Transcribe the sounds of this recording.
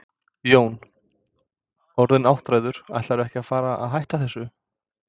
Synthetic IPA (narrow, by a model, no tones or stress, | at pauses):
joːwn | ɔɾðɪnawht̪ɾajðʏɾ̥a̰jht̪aɾʏvɛhcɪafaːɾaʔa̰ðɦajht̪aθɛsːʏ